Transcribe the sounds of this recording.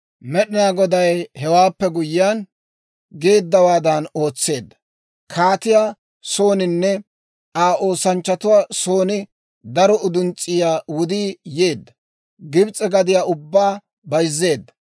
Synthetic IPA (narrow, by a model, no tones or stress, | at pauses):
mɛɗɪnaːɡɔd̪ɐjhɛwaːpːɛɡʊjɪjan | ɡe̞ːd̪ːɐwaːd̪ɐno̞ːt͡sːe̞ːd̪ːɐ̥ | kʰaːt̪ɪjaː | so̞ːnɪnːɛ | aːʔo̞ːsɐnt͡ʃːɐt̪ʊwaːso̞ːnɪ | d̪ɐɾɔʊd̪ʊnt͡sʼːɪjaːwʊd̪iːjeːd̪ːɐ | ɡɪbt͡sʼɛɡɐd̪ɪjaːʊbːaː | bɐjzːe̞ːd̪ːɐ̥